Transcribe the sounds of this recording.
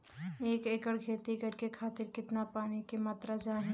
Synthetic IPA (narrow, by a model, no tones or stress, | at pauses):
eːkeːkəɽɡʱeːt̪ikɐɾkekʰaːt̪ɪɾkɪt̪napaːnikemaːt̪ɾad͡ʒaːɦĩ